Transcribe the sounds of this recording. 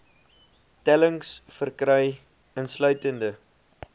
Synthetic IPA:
tɛləŋsfərkrœj | ənslœɥtəndə

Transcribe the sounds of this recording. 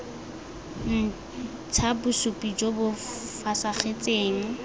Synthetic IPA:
n̩ | t͡sʰabʊsupʼid͡ʒobʊfasaχet͡sʼeːŋ̩

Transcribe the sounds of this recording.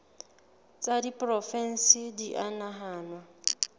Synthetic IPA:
t͡sʼadipʼrɔfɛn̩sidiʔanaɦaːnwa

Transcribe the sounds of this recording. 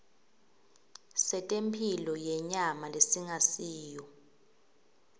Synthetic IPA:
sɛtʼempʰilɔjɛɲamalesiŋasiːjɔ

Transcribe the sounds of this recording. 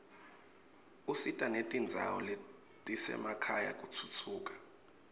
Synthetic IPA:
usitʼanetʼind͡zʱa̰wɔle | tʼisɛ̰makʰajak̬ʼut͡sʰut͡sʰuːkʼḁ

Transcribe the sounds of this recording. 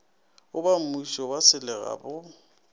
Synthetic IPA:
ʊbam̩muiʃɔwasɪlɛɣa̰ːbʊ

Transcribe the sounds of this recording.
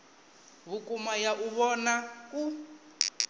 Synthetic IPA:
βukumajaʔuβɔnaku

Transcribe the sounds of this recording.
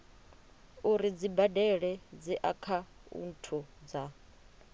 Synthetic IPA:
uɾid͡zibadɛɺɛd͡ziʔakʰaṵn̩tʰud͡za

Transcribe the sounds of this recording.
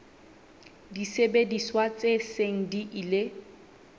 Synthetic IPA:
disebediswat͡sʼeseŋ̩diʔile

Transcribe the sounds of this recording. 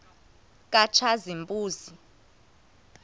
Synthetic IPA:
k̬ʼat͡ʃʰazimbʼuːzi

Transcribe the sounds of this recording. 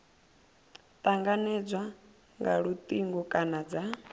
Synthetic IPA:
t̪ʼaŋɡanɛd͡zwa | ŋɡaɺut̪ʼiŋɡɔkʼanad͡za

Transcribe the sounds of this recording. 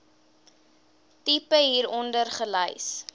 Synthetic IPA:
tipəɦiːɾɔndərχələjs

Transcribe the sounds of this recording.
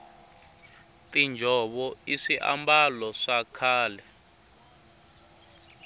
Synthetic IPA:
tind͡ʒʱɔɓɔiʂiʔa̰mbalɔʂakʰaːlɛ

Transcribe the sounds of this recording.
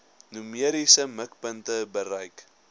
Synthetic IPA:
numiəɾisəməkpəntəbəɾɐjk

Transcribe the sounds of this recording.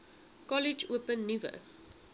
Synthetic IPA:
kɔlɪd͡ʒuːpə̃nːuvə̰

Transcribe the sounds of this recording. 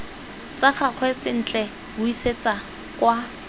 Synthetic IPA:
t͡saχak͡xʰwɛsɪn̩t͡ɬʼɛ | bʊiset͡sa | kwa

